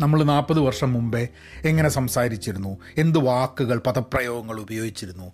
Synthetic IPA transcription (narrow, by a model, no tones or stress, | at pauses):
nɐmːɐɭnaːpːɐðɨʋɐrʂɐmːumbe̞ | eŋːɐne̞sɐmsaːɾit͡ɕːiɾunːu | e̞nd̪ɨʋaːkːuɣɐɭpɐðɐprɐjo̞ːɡɐŋːɐɭubɐjo̞ːɡit͡ɕːiɾunːu